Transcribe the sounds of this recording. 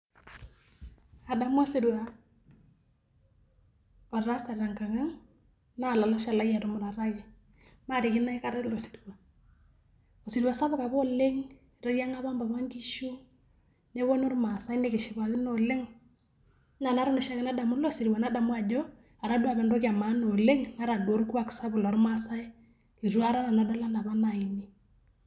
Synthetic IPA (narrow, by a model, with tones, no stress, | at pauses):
a˨da˨m˦ɔ˦sɪ˨du˨wa˨ | ɔ˨ɾa˦sa˨ɾa˨ŋka˨ŋa˦ŋ | na˦˨la˨la˦ʃa˨la˦ja˨dɔ˨mʊ˦ɾa˨ɾa˦jɛ˨ | ma˦˨ɾɪ˨kɪ˦na˦ɪ˦ka˦ɾɛ˦lo˨si̥˨du˨wa˨ | o˨sɪ˨dwa˨sa˦βʊ˦ka˨bɔ˦lɪ˦ŋ˨ | ɾɔ˦ja˦ŋa˦βa˦mba˨βa˦ŋɡi˦ʃu˦ | ne˦βo˦no˦ɾma˨sa˦jne˦kɪ˨ʃɪ˨ka˨kɪ˦no˨le˦ŋ˦ | na˨na˦ɾa˦nʊ˨ʃa˦kɪ˦na˦da˨mʊ˦lo˦si˨ɾwa˨na˦da˨mʊ˦a˨d͡ʒɔ˦ | a˨ɾa˦du˦a˨bɛ˨ndɔ˦ka˨ma˨˦no˨le˦ŋna˦ɾa˨do˨˦ɾku˦a˦ksa˦bʊ˨lɔ˨ɾma˦sa˦ɪ˦ | i˨ɾu˦a˦ɾa˦na˨na˨da˦la˦na˨ba˦na˨i˨ni˦